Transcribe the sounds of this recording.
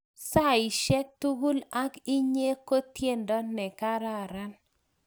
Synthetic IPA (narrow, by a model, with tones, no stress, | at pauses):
sa˦˨ɪ˨ʃɛ˦k̚tu˦ɡu˦la˦ki˦ɲe˦ko˦t̪je˦ndɔ˦nɛ˨ka˦ɾa˦˨ɾa˦n